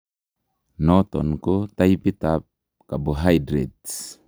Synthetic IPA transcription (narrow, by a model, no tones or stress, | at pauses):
nɔt̪ɔ̰nkot̪aipit̪ap̚ | kaboɦajdɾɛt̪s